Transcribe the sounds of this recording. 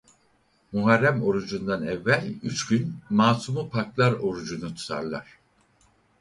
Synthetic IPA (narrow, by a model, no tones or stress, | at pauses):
muɦaɾːæmo̞ɾud͡ʒund̪anɛvːælʲyt͡ʃɟynmaːsumupʰaklˠaɾo̞ɾud͡ʒunut̪ʰu̥t̪ʰa̰ɾlˠa̰ɾ̥